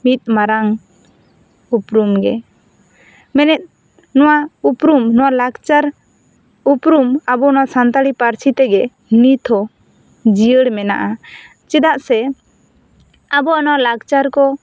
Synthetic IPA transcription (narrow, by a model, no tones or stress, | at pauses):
mit̪̚maɾaŋ | upɾumɡɛ̰ | mɛnɛt̪̚ | nɔwaupɾumnɔwalaɡt͡ʃaɾ | upɾumabɔnɔwasant̪aɽipaɾt͡ʃʰit̪ɛɡɛ | nit̪ʰɔ | d͡ʒijəɽmɛna̰ʔa | t͡ʃɛd̪aʔsɛ | abɔnɔwalaɡt͡ʃaɾkɔ